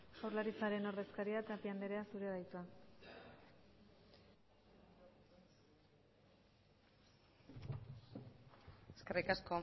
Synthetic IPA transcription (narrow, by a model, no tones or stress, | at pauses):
ʝawɾlaɾit͡saɾeno̞ɾðe̞skaɾiat̪apiand̪eɾe̞asuɾe̞ðajt͡s̪ua | eskerikasko